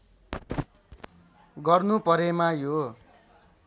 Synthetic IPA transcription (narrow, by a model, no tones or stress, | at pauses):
ɡʌrnupʌɾemajo